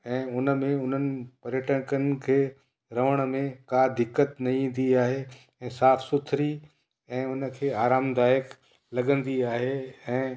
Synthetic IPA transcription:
ɛ̃ːʊnə̆mẽʊn̤ənɪ̆pɐɾjəʈə̃kənkʰeː | ɾɐʋəɽ̃̆mẽkaːd̪ɪkːət̪nɐĩːn̆d̪iaːɦe | ɛ̃ːsaːfsʊt̪ʰɾi | ɛ̃ːʊnə̆kʰeːaːɾaːmd̪aːjək | lɐɠə̃nd̪iaːɦeɛ̃ː

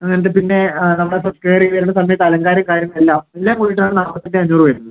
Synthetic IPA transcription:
ɐŋːɐnɐt̪ːepinːe̞nɐmːɐɽesrɐskeːriʋɐɾuɳːɐsɐmːɐjɐt̪ːɐlɐŋɡaːɾjɐmkaːɾjɐŋːɐɭelːaːmilːaːmkujiʈːunaːɳɨnaːmɐt̪ːindeɐɲːuːrɨʋɐɾunːðɨ

